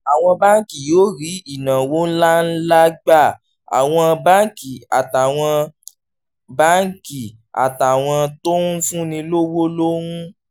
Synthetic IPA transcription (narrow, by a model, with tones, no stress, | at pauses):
a˨w̃ɔ̃˧ba˦ŋ̩˦ki˨jo˦ɾi˨˦i˨nã˨wo˦n̩˦la˦n̩˦la˦ɡ͡ba˦˨ | a̰˨w̃ɔ̃˧ba˦ŋ˦ki˨a̰˨ta˨w̃ɔ̃˧ | ba˦ŋ̩˦ki˨ | a̰˨ta˨w̃ɔ̃˧to˦fũ˦nĩ˧lo˦wo˦lo˦wũ˦